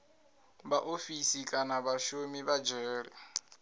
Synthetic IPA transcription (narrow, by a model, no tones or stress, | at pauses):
baʔofisikʼanaβaʃomiβad͡ʒɛːɺḭ